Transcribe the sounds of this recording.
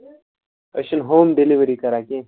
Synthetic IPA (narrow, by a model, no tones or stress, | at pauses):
ɐ̰ɕɐnɦoːmɖeliʋəɾikɐɾaːkẽː